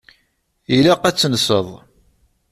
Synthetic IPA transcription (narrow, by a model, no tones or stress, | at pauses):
ilæqæt͡sːnsəðˤ